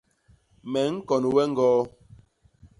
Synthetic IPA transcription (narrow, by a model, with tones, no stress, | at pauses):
mɛ˨˦ŋ̩˦kɔ˨nu˨wɛ˦ŋ̩˦ɡɔː˦